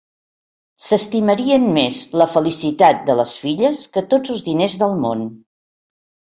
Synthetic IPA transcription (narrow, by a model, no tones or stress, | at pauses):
səst̪iməɾiənmezləfəlisit̪at̪̚d̪ələsfiʎəskət̪od͡zəlˠzðinezðəlˠmon